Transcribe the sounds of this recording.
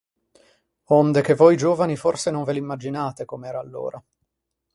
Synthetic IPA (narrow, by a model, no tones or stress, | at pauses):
ond̪ek̟evːojd͡ʒoːvaniforsenoɱvelimːad͡ʒinaːt̪ekomeɛːɾaːlːo̰ːɾʔa